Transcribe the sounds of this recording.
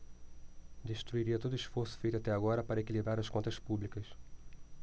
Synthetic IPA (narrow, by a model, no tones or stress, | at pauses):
d̪eʃt̪ɾuiɾiɐt̪od̪ʊisfoɾsʊ̥fejt̪ʊat̪ɛaɡɔɾɐpaɾɐekilibɾaɾɐskõnt̪ɐspublikɐs